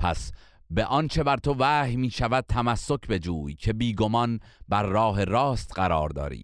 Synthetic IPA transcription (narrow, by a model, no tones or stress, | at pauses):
pʰæ̰s | be̞ʔɒnt͡ʃʰe̞bæɾt̪ʰo̞væːhmiːʃævæd̪̥̚t̪ʰæmæsːo̞cʰbe̞d͡ʒuːjcʰe̞biːɡo̞mɒn | bæɾːɒːɦe̞ɾɒːst̪ɢæɾɒ̰ːɾd̪ɒ̰ːɾḭː